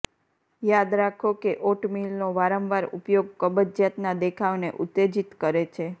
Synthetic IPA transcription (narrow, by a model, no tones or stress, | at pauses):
jad̪ɾakʰokeʔoʈmilnoʋaɾə̃mʋaɾṵpjoɡ̚kəbəd̪d͡ʒjat̪nad̪ekʰaʋnḛʔut̪ːed͡ʒit̪kəɾet͡ʃʰe